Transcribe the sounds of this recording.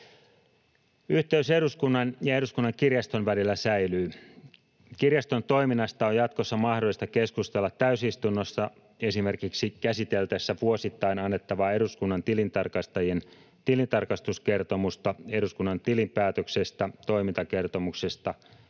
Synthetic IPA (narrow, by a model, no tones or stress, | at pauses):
yht̪e̞yseɾuskunːɑnjɑe̞ɾuskunːɑŋkirjɑst̪o̞nʋælilːæsæilyː | kirjɑst̪o̞nt̪o̞iminːɑst̪ɑojɑt̪kosːɑmɑhdoist̪ɑke̞skust̪elːɑt̪ːæysist̪unːosːɑ | e̞sime̞rkiksikæsit̪e̞lt̪esːæʋuosit̪ːɑinɑnːet̪ːɑʋɑe̞ɾuskunːɑnt̪ilint̪ɑrkɑst̪ɑjien | t̪ilint̪ɑrkɑst̪uske̞rt̪o̞must̪ɑe̞ɾuskunːɑnt̪ilimpæːt̪økse̞st̪æt̪o̞imint̪ɑke̞rt̪o̞mukse̞st̪ɑ